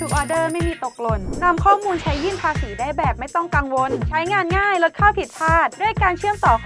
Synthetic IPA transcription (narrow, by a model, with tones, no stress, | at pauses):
uː˨˩k̚ʔɔː˧dɤː˥˩ma˥˩jmiː˧t̪o˨˩k̚lo˨˩nːa˧mkʰɔː˥˩muː˧nt͡ɕʰa˦˥jːɯː˥˩npʰaː˧siː˩˦daː˥˩jbɛː˨˩p̚ma˥˩jt̪ɔ˥˩ŋka˧ŋwo˧nt͡ɕʰa˦˥jŋaː˧nŋaː˥˩jlo˦˥t̪̚kʰaː˥˩wp̪ʰi˨˩t̪̚t͡ɕʰaː˥˩t̪̚du˥˩əjkaː˧nt͡ɕʰɯ˥˩əmt̪ɔː˨˩˦